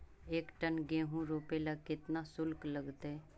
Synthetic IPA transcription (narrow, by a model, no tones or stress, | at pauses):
eːkʈənɡẽːɦũɾoːpelakɪt̪nasʊlkləɡt̪ɛ